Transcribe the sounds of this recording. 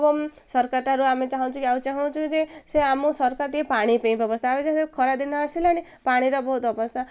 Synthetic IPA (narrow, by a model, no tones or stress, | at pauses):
bɔmsɔɾkaʈaɾuamet͡ʃaɦãt͡ʃʰukiaũt͡ʃaɦãt͡ʃʰukid͡ʒeseamũsɔɾkaʈiepaɽ̃ipẽĩpɔbɔsnaːmed͡ʒasekʰɔɾad̪inɔasilañi | paɽ̃iɾɔbɔɦut̪ɔbɔsna